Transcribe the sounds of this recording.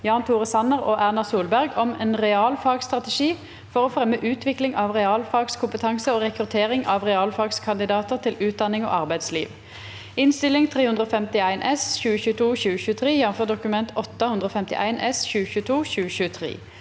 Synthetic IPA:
jɑːnt̪ʰuːʁəsɑnəʁoːʔæʁnɑʁsuːlbæʁɡɔmeːnʁɛɑːlfɑːɡst̪ʁɑt̪ɛʃiː | fɔʁoːfɾɛmːəʔʉːt̪ʰʋɪklɪŋʔɑːʋʁɛɑːlfɑɡskʰʊmpət̪ʰɑŋsəoːʁɛkʁʉt̪ʰeːʁɪŋʔɑʋʁɛɑːlfɑɡskʰɑnd̪ɪd̪ɑːt̪əʁt̪ʰɪlʉːt̪̚d̪ɑnɪŋo̰ːɑʁbæɪd̪slḭːʋ | ɪnst̪ɪlɪŋt̪ʰʁeːhʉnd̪ɾoːfɛmt̪ɪæɪnʔɛsçʉːəçʉːt̪ʰuːçʉːəɕʉːət̪ʰʁeːjɛnɔm̩føːʁd̪ʊkʉmɛnt̪ʰɔt̪ːəhʉnd̪ʁəoːfɛmt̪ɪ̰ʔæ̰ɪnʔɛsçʉːəɕçʉːət̪ʰuːçʉːəɕʉːət̪ʰʁḛː

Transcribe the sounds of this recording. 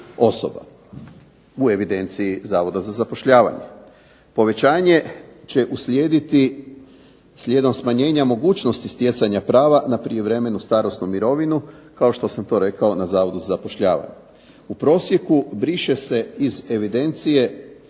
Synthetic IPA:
o̞so̰ba̰ | ue̞ʋid̪e̞nt̪sijizaːʋo̞d̪azazapo̞ʃʎaːʋa̰ɲe̞̰ | po̞ʋe̞t͡ɕaːɲe̞t͡ɕe̞ʔusʎeːd̪it̪i | sʎʲje̞d̪o̞msmaɲe̞ːɲamo̞ɡuːt͡ʃno̞st̪ist̪je̞t̪saɲapɾaːʋanapɾijeʋɾe̞me̞nust̪aːɾo̞snumiɾo̞ʋinukao̞ʃt̪o̞samt̪o̞ɾe̞kao̞nazaːʋo̞d̪uzazapo̞ʃʎa̰ːʋa̰ɲe | upɾo̞ːsje̞kubɾiʃe̞se̞ize̞ʋid̪e̞nt̪sije̞

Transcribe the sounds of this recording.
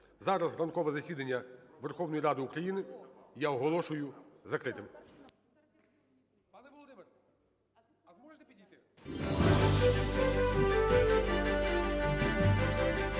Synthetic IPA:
zɑɾɐzrɐnkɔʋɛzɐsʲid̪ɐnʲːɐʋerxɔwnɔjiɾɑd̪ɪukɾɐjinɪjaɔɦɔlˠɔʃʊjʊzɐkɾɪt̪ʲɪm

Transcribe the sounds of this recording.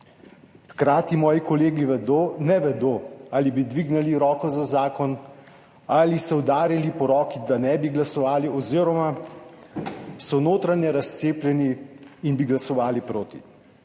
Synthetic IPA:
xkɾaːt̪imɔːjikɔleːɡiʋɛd̪onɛʋɛd̪oːalibid̪ʋiɡnɛliɾɔːkɔzazaːkɔn | alisɛwd̪aːɾilipɔɾɔːkid̪anɛbiɡlasɔʋaːliɔziːɾɔma | sɔnoːt̪ɾanjɛɾast̪seːplʲjɛniːnbiɡlasɔʋaːlipɾoːt̪ḭ

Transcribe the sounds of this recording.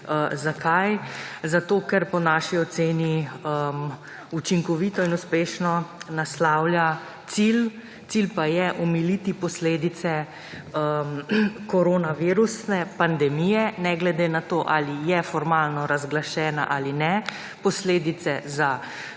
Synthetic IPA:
əzakʰajzat̪oːkɛɾpɔnaːʃiɔt̪seːniəm | ut͡ʃiŋkɔʋit̪ɔinuspeːʃnɔnaslaːwlja | t̪sil | t̪silpajɛʔɔmilit̪ipɔsleːd̪it̪sɛ | əmkɔɾonaʋiɾusnɛpand̪ɛmijɛnɛɡlɛd̪enat̪oːʔa̰lijɛfɔɾmaːlnɔɾazɡlaʃɛːna̰ʔaːlinɛ | pɔsleːd̪it̪sɛza

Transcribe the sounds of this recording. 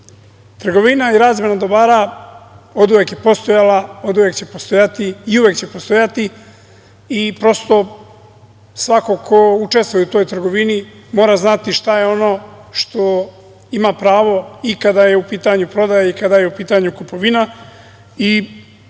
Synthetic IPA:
t̪r̩ɡo̞ʋinaiɾaːzme̞nad̪o̞baːɾa | o̞d̪uʋekjepo̞st̪o̞jalao̞d̪uʋe̞kt͡ɕe̞po̞st̪o̞jat̪iːuʋekt͡ɕe̞po̞st̪o̞jat̪i | ipɾo̞st̪o̞ | sʋako̞kʰo̞ut͡ʃe̞st̪ʋujeut̪o̞ːjt̪r̩ɡo̞ʋinimo̞ːɾaznat̪iʃt̪ajeo̞no̞ːʃt̪o̞ | imapɾaːʋo̞ikad̪aje̞upiːt̪aɲupɾo̞d̪ajaikad̪ajeupiːt̪aɲukupo̞ʋina | i

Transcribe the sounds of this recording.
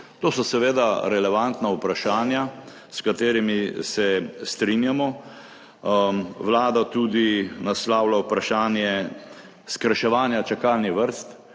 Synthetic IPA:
t̪oːsɔsɛʋeːd̪aɾɛlɛʋant̪naupɾaʃaːnja | skat̪eːɾimisɛst̪ɾinjamɔ | ʋlaːd̪at̪ud̪inaslaːwlawpɾaʃaːnjɛ | skɾaʃɛʋaːnjat͡ʃakaːlniʋəɾst̪

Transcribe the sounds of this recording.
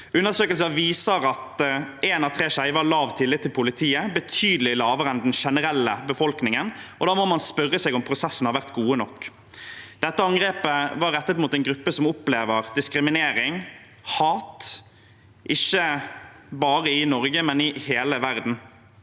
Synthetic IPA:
ʉnːəsøːkəlsəʋiːsəɾɑt̪eːnɑʋt̪ʰɾeːʃæɪʋɑlɑːʋt̪ʰɪlːɪt̪ʰːɪlpʰʊlɪt̪ʰiːəbət̪ʰyːd̪əlɪlɑːʋəɾəɛnd̪ɛnʃɛnəɾɛlːəbəfɔlknɪŋənʔɔd̪ɑːmɔmɑnspœɾːəseːɡɔmpʰɾʊsɛsːən̩hɑɾʋæʁt̪ɡuːənɔkː | d̪̥ɛt̪ːəɑŋɡʁeːpəʋɑɾɛt̪ːət̪muːt̪ɛɪnɡɾʉpːəsɔmʊpleːʋəɾd̪ɪskɾɪmɪneːɾɪŋ | hɑːt̪ | ʔɪçːə | bɑːɾəɪnɔɾɡəmɛnɪheːləʋæɾd̪n̩

